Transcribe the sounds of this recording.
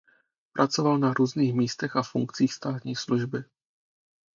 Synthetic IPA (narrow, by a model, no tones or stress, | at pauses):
pɾʔat͡so̞valnaɾuːzniːxmiːst̪ɛxafṵŋkt͡siːxst̪aːt̪ɲiːsluʒbɪ